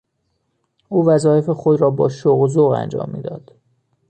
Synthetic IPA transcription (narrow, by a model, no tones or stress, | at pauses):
ʔuːvæzɒːje̞fe̞xo̞d̪ɾɒːbɒ̰ːʃoɣzoɣæ̰nd͡ʒɒ̰ːmːḭːd̪ɒːd̪̥